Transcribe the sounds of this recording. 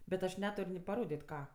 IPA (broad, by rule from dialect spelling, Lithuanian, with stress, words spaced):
bʲɛt ɐʃ ˈnʲæːtʊrʲ nʲɪ pɐˈroːdʲeːtʲ ˈkɑː